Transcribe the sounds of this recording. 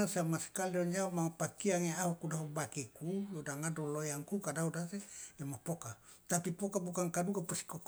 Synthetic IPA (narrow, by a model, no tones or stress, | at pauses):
asamaskalioɲd͡ʒamapakiaŋeaɦukudaɦubakikujodaŋadolojaŋkukadaudasedemapoka | t̪apipɔkabukaŋkadukapusi̥kɔk